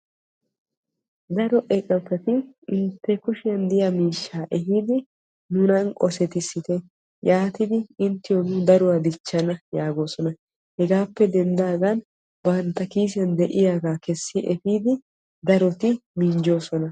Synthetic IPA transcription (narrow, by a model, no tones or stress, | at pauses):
d̪ɐɾɔʔɛkʼːɐpːɛt̪ɪ | ɪnt̪ːɛkʊʃɪjɐnd̪ɪjɐmiːʃːaːʔɛɦiːd̪ɪ | nʊnɐnkʼɔsɛt̪ɪsɪt̪ɛ | jaːt̪ɪd̪ɪɪnt̪ːɪjɔnʊd̪ɐɾʊwad̪ɪt͡ʃːɐnɐjaːɡo̞ːsɔnɐ | hɛɡaːpːɛd̪ɛnd̪aːɡ̪ɐn | bɐnt̪ːɐkiːs̬ɪjɐnd̪ɛʔɪjaːɡaːkɛsːɪʔɛfiːd̪ɪ | d̪ɐɾɔt̪ɪmind͡ʒo̞ːsɔnɐ